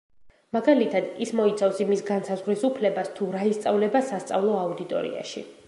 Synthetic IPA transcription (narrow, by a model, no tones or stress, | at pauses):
maɡalit̪ʰad̪ismɔit̪sʰafsimisɡansazʁɾisupʰlɛbast̪ʰuɾaist̪sʼavlɛbasast̪sʼa̰vlˠɔaud̪it̪ʼɔ̰ɾḭa̰ʃḭ